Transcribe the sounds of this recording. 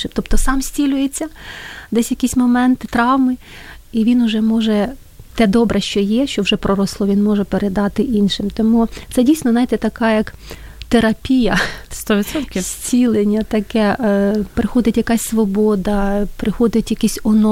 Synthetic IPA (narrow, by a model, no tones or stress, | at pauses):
ʃɪt̪ɔpt̪ɔsɑmsʲt͡sʲilʲʊjet͡sʲːɐd̪ɛsʲjɐkʲisʲmɔmɛnt̪ɪt̪ɾɑwmɪ | iʋʲinʊʒɛmɔʒɛ | t̪ɛd̪ɔbɾʔɛʃt͡ʃɔjɛʃt͡ʃɔwʒɛpɾɔɾɔslˠɔʋʲinmɔʒɛpeɾʔed̪ɑt̪ɪʔinʃɪmt̪ɔmut̪sɛdʲijsʲnɔznɑjt̪ɛt̪ɐkɑjɐkt̪eɾɐpʲijɐst̪ɔʋʲit̪sɔt̪kʲɪssʲt͡sʲilˠenʲːɐt̪ɐkɛʔpɾɪxɔd̪ɪtʲjɐkɑsʲsʋɔbɔd̪ɐpɾɪxɔd̪ɪtʲjɐkʲisʲɔnɔ